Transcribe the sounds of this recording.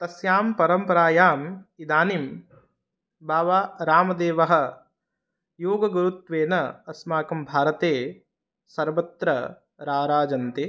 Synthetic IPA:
t̪ɐsjaːmpɐɾɐmpɐɾaːjaːmid̪aːnim | baːʋaːɾaːmɐd̪eːʋɐɦɐ̆ | joːɡɐɡɐɾut̪ʋeːnɐɐsmaːkɐmbʱaːɾɐt̪eː | sɐɾʋɐt̪ɾɐ | ɾaːɾaːd͡ʒɐnt̪eː

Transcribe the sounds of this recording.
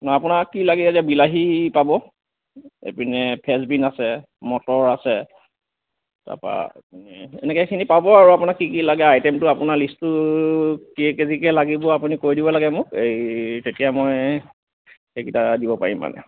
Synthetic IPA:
nɔjapunakːilaɡɛeziabilaɦipabɔ | ḛpinɛpʰɛsbinasɛ | mɔtɔɹasɛ | ta̰pa̰pinɛɛ̰nɛkɛkʰinipabɔaɹuapunakːikilaɡɛajtɛmtʊapʊnaɹlistʊ | kikezikɛlaɡibɔapunikoɹidibɔlaɡɛmʊkejtetijamɔj | ekitadibɔpa̰ɹimːa̰nɛ̰

